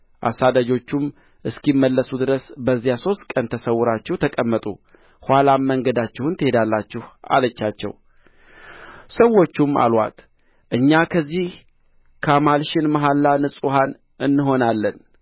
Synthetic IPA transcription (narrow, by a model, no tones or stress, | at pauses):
ʔa̰sad̪ad͡ʒo̞t͡ʃːum | ʔɨskimːəlːəsud̪ɨɾəsbəzːijaso̞st̪kʼənt̪ʰəsəwːʊɾat͡ʃːɛwt̪ʰəkʼəmːət̪ʼṵ | hʷalamːəŋɡəd̪at͡ʃːɛhunt̪ʰəhe̞d̪alːat͡ʃːɪha̰lət͡ʃːat͡ʃːɛ̰w | səwːo̞t͡ʃːuma̰lwa̰t̪ | ʔɨɲːakʰəzːih | kʰəmalʃɪnmaɦalːanɨsʼuɦan | ʔɨnːɨɦo̞nalːən